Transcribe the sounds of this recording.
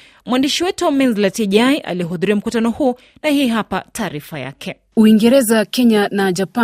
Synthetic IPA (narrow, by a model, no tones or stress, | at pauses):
mwandiʃiwɛtuamɛnzlatiʄajʔa̰liɦuðuɾiam̩kutanɔhuɔ | nahiːɦapatʰaːɾifaja̰kʰɛ | uiŋɡɛɾɛzakɛɲanad͡ʒapa